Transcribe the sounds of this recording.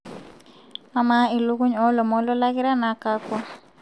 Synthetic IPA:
ma˨ma˦i˨lu˦ku˦ɲɔ˦lɔ˨mɔ˦lɔ˦la˦kɪ˦ɾa˦na˨ka˦kwa˦

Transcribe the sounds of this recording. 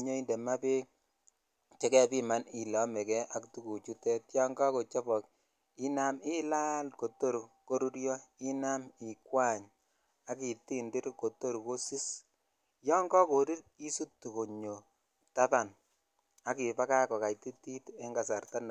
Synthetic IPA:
ɲo˦i˦nde˨ma˦pe˦k̚ | t͡ʃe˦kɛ˦pi˦ma˦ni˨lɔ˨˦mɛ˨kɛ˦ʔa˨ktu˦ku˨t͡ʃu˦tɛ˦tjɔ˦ŋɡɔ˦ko˨t͡ʃɔ˦pɔ˨k̚ | i˦na˦mi˦la˦lko˨to˦ɾko˦ɾu˦ɾjɔ˦i˦na˦mɪ˨kwa˦˨ɲ | a˨˦ki˨ti˦ndi˦ɾko˨to˦ɾko˦si˦s | jɔ˦ŋɡɔ˦ko˨ɾi˦ɾi˦su˦tːu˨ko˨ɲo˨ | ta˦ta˨n | a˦ki˨pa˦ka˦kɔ˨ka˨jti˦ti˦te˦ŋɡa˨s̬a˨rta˦n˨

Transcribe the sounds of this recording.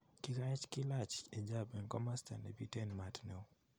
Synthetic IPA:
ki˦ka˦ɛ˦t͡ʃkɪla˦t͡ʃe˨d͡ʒa˦be˨nkɔ˦ma˦sta˨ne˨bi˦tɛ˦nma˨tne˨o˦

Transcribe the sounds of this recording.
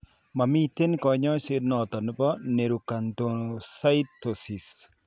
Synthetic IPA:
ma˨mi˦t̪e˦nkɔ˨ɲɔ˦se˦ɾnɔ˨t̪ɔ˨n˦pɔ˦ne˨ɾu˨ka˨nt̪o˨nsa˦ɪ˦t̪ːo˨si˨s

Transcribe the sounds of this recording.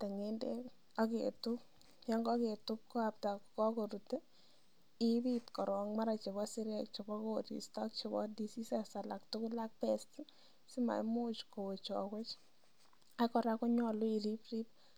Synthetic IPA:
tɛ˨ŋe˦nde˦ | a˦kḛ˨tʊ˦p | ja˦ŋɡɔ˦ke˨tʊ˦p̚ko˦a˨p̚ta˨kkɔ˦ko˨ɾu˨te˦ | i˦bitkɔ˨ɾwɔ˨ŋma˦ɾa˨t͡ʃe˨βɔ˦si˦ɾɛkt͡ʃe˨bɔ˦ko˦˨tḭ˨stɔ˦k̚t͡ʃe˧bɔ̰˦di˨si˦sɛ˨sa˨la˨ktʊ˦kʊ˦la˦k̚pɛ˦sti˦ | sɪ˦ma̰˨jmo˦t͡ʃko˨t͡ʃɔ̰˨ke˦t͡ʃ | akɔ˦ɾa˦ko˦ɲɔ˦lo˦i˨ɾi˦pri˦p̚

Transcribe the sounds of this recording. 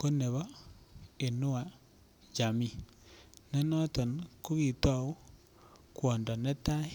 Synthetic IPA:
ko˦ne˨βɔ˦ | e˨no˦a˨ | d͡ʒa˨mi˦˨ | nɛ˦nɔ˦tɔ˨nko˦ɣi˨twa˨o˦ | kwɔ˨ndɔ˨nɛ˦ta˦

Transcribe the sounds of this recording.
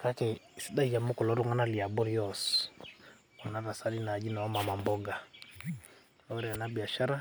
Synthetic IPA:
kakɛ˨siɗa˦ija˨mu˦kɔ˨lɔ˦ɾɔ˦ŋa˦na˦li˨a˨bɔ˦ɾi˦jɔs | ɔ˨naɾa˨sa˦ɾina˨d͡ʒi˦na˨wa˦ma˨ma˨mbɔɡa˨ | awɛ˦ɾɛ˨a˨nabi˨a˨ʃa˦ɾa˦

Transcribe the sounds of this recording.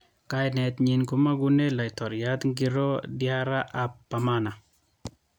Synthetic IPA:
ka˨jnɛ˨t̪ɲi˨nku˦ma˦ɡu˦ne˦la˨jtɔ˨ɾja˦t̪ŋɡi˦ɾo˦dja˦ɾa˦ʔa˨pːa˨mana˨

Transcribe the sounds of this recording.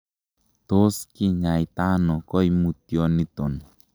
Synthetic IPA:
t̪o˦ski˦ɲa˨jt̪a˦nɔ˨kɔ˦imu˨t̪jɔ˦ni˦t̪o˨n

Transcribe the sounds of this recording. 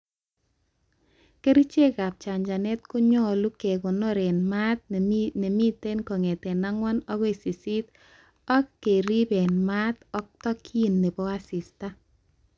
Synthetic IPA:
ke˦ɾi˦t͡ʃe˦ka˨p̚t͡ʃa˨ɲd͡ʒa˨nɛ˦t̚kʊ˦ɲɔ˦lu˦ke˨kɔ˨nɔ˦ɾe˨nma˦t̪̚ne˨mi˦te˦nkɔ˨ŋe˨tɛ˨na˦ŋwɔ˦nɔ˦ɣi˨si˨si˦t | ɔ˦kːe˨ɾi˦be˨nma˦tɔ˦k̚tɔ˦kʰi˦nːe˨bɔ˦a˦si˨sta˦

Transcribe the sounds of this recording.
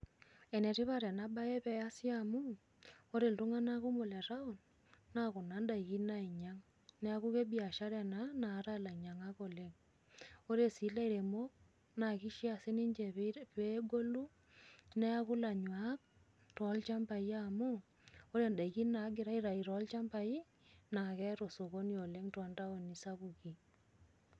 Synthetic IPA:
e˨ne˨ti˦βa˦ɾa˨na˨˦ba˦e˦pɛ˦a˦sjamu˦ | o˦ɾe˨ltu˦ŋa˦na˦ku˦mo˨le˨ɾa˦u˨n | na˦ku˨na˨˦nda˨i˨ki˦na˦i˨ɲa˦ŋ | ne˦a˦ku˦ke˦bi˦a˨ʃa˦ɾe˨na˦na˨˦ɾa˦˨la˨ɲa˨ŋa˦ko˨le˦ŋ | o˦ɾe˦si˨˦la˦i˨ɾe˨mo˦k̚ | na˨ki˦ʃi˦a˨se˦ni˦ɲd͡ʒe˨pe˦ɡo˦lu˦ | nɛ˦a˦ku˦la˨ɲwa˨˦k̚ | tɔ˨˦lt͡ʃa˦mpa˨ja˦mu˦ | o˦ɾe˨nda˨i˨ki˦na˨˦ɡɪ˨ɾa˨˦i˦ɾa˨i˨ɾɔ˨˦lt͡ʃa˦mpa˨i˦ | na˨kɛ˦ɾo˨so˨ko˦ni˦o˨le˦ŋta˦nda˦o˨ni˨sa˦bu˨ki˨

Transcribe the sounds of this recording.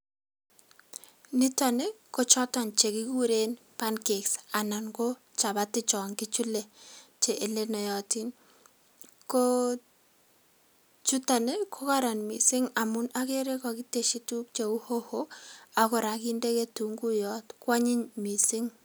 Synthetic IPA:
ni˦ta˨ne˦ko˦t͡ʃɔ˦tɔ˨nt͡ʃe˨ki˦ku˦ɾe˦n | pa˦nke˨ksa˨na˨nɡo˦t͡ʃa˨batɪ˦t͡ʃɔ˨ŋki˦t͡ʃu˦le˨t͡ʃe˨ʔe˨le˦nɔ˨jɔ˨ti˦n | ko˦ | t͡ʃu˦ta˨ne˦kʰo˦ka˦ɾa˨nmḭ˨sɪ˦ŋa˨mu˦na˦ke˦ɾe˦kɔ˨ki˦te˨ʃi˦tu˦k̚t͡ʃe˨u˦ho˦ho˦akɔ˨ɾa˨ki˦nde˦ke˦tu˨ŋɡu˦jɔ˦tkwa˦ɲɪ˦ɲmi˨sɪ˦ŋ

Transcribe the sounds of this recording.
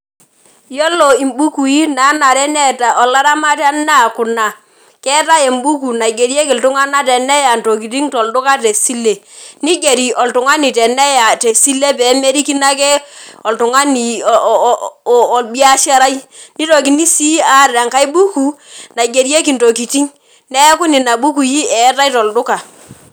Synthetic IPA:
jɔ˦lo˨i˨mbu˦ku˨i˦na˨˦na˨ɾɛ˦nɛ˦ta˨ʔɔ˨la˦ɾa˦ma˦ta˦na˦˨kʊ˨na˨ | kɛ˦ta˦e˨mbu˦ku˨na˨i˨ɡe˨ɾje˦ki˨ltʊ˦ŋa˦na˦tɛ˨nɛ˦ja˨nto˨ki˨ti˦ŋtɔ˨ldʊ˦ka˦te˨si˦le˨ | ni˦ɡe˨ɾi˨ʔɔ˨ltʊ˨ŋa˦ni˨tɛ˨nɛ˦ja˨te˨si˦le˦pɛ˨˦me˦ɾi˦ki˦na˦kɛ˦ɔ˨ltʊ˨ŋa˦ni˨ | ɔ˨lbi˦a˦ʃɛ˦ɾa˦i˦ni˦to˨ki˨ni˦si˦a˦˨ɾa˨ŋka˦jbu˦ku˨na˨ɡe˨ɾje˦ki˨nto˨ki˨ti˦ŋ | nɛ˦kʊ˦ni˨na˨bu˦ku˨ji˦ʔɛ˨˦ta˦jtɔ˨ldʊ˦ka˨

